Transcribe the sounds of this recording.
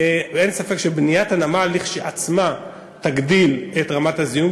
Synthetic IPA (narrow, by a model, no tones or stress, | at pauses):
ensafe̞kʃebnijatanamalːiχʃiʔat͡sma | taɡdiletʁamathazijum